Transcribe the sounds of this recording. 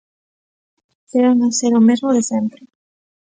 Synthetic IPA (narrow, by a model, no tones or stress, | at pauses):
keɾanaseɾomezmoðesempɾɪ